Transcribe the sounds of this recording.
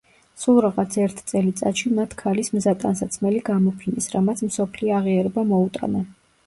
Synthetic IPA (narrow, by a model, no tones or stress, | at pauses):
sulˠɾaʁat̪sʰɛɾt̪ʰt̪sʼɛlit̪sʼa̰t̪ʃimat̪ʰkʰalismzat̪ʼansat̪sʰmɛliɡamɔpʰinḭsɾamat̪sʰmsɔpʰliɔaʁiaɾɛbamɔut̪ʼa̰na